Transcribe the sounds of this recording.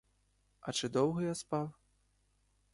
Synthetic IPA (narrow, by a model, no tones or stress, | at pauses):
ɐt͡ʂɨd̪ɔwɣɐjaspaw